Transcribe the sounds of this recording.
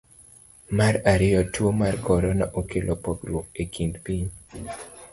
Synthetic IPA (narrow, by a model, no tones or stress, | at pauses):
maraɾɪjɔtwomarkɔɾɔna̰ʔokʰelʔopɔkɾwokekʰindpiɲ